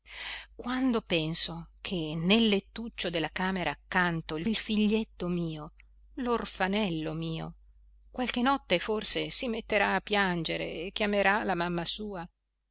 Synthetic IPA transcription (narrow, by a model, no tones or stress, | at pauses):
kwand̪opɛnsokʰenelːet̪ːut͡ʃːod̪elːakaːmeɾʔaːkːant̪olfiʎːet̪ːomiːo | lorfanɛlːomiːo̰ | kwalkenɔt̪ːeforsesimet̪ːeɾaːpːjand͡ʒeɾḛːkːjameɾalamamːasuːa